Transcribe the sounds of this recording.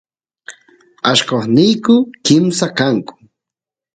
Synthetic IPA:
aʃkoχnɪjkʊkɪmsakaŋkʊ̥

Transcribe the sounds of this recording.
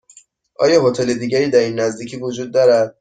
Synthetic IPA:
ʔɒːjɒːɦot̪ʰe̞le̞d̪iːɟæɾiːd̪æɾinːæzd̪iːcʰiːvod͡ʒuːd̪̚ːɒːɾæd̪̥̚

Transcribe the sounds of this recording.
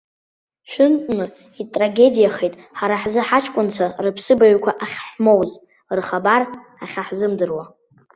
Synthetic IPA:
ʃᶣʷɨntʷʼnɨ | itʼraɡʲe̞dijaχejtʼħaɾaħzɨħat͡ʃʰʼkʷʼʊnt͡sʷʰarɨpʰsɨbaɥkʷʰaʔaχʲħmo̞wz | rχabar | aχʲaħzɨmdɨrwa

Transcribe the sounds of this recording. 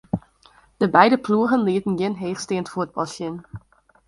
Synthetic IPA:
d̥əbɛjdəpluəɣənliətən̩jɪnɦeːχsteːəntfuət̚bɑsɪn

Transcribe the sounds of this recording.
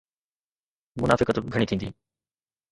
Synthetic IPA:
mʊna̰ːfɪkət̪ɡʱəɽ̃it̪ʰĩːnd̪iː

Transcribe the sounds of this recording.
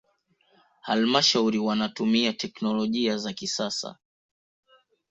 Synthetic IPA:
halmaʃauɾiwanatumiatʰɛknɔlɔʄiazakisasa̰

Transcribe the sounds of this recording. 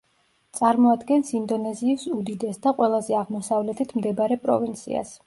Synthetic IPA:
t̪sʼaɾmɔad̪ɡɛnsind̪ɔnɛziːsud̪id̪ɛsd̪aqʼwɛlˠazɛaʁmɔsavlɛt̪ʰit̪ʰmd̪ɛbaɾɛpʼɾɔ̰vint̪sʰḭa̰s

